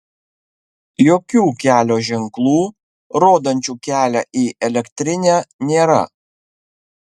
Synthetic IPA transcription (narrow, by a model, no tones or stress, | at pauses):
joːkʲuːkʲæːlʲoːʒʲɛŋklˠuː | ɾoːd̪ɐnʲt͡ʃʲuːkʲæːlʲæʔiːʔɛlʲɛkt̪ʲɾʲɪnʲæːnʲeːɾɐ̰